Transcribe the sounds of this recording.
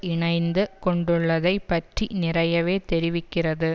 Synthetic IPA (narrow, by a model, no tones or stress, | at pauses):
ɪɳɐɪnd̪ɯkɔɳɖɯɭːɐðɐɪpːɐʈrinɪrɐjɐʋeːt̪ɛɾɪʋɪkːɪrɐðɯ